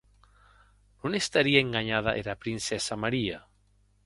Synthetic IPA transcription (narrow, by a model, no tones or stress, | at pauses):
nũnest̪aɾiaeŋɡaɲaðaʔeɾapɾinsɛsamaɾia